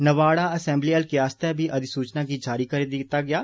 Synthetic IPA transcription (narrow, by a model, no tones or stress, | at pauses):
nəʋaːɽaɐsɛ̃ːmbliːəlkeaːst̪ɛbʱiʔɐd̪isuːt͡ʃnakid͡ʒaːɾikɐɾed̪ɪt̪aɡɪjaː